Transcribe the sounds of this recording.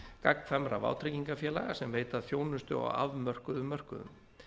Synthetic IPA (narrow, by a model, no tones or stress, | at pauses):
kakŋfɛmɾava̰wt̪ʰɾɪciŋkafjɛːlaɣasɛmveːjt̪aðθjoːwnʏst̪ʏɔ̰ɣa̰vmœr̥kʏðʏmːœr̥kʏðʏ̰m